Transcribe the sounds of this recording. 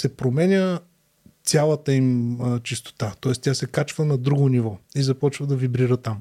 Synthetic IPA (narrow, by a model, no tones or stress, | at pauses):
sɛpɾomɛnʲə | t̪ʲalˠət̪əimt͡ʃist̪o̥t̪at̪ɔɛst̪ʲjasɛkat͡ʃvənɐd̪ɾuɡonivɔizɐpɔt͡ʃvəd̪ɐvibɾiɾət̪am